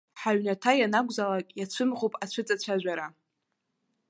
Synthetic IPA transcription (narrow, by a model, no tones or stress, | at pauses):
ħaɥnatʰajanaɡʷʼzalakʲʼjat͡ɕʷʰɨmʁopʼat͡ɕʷʰɨt͡sʼat͡ɕʷʰaʒʷᶣaɾa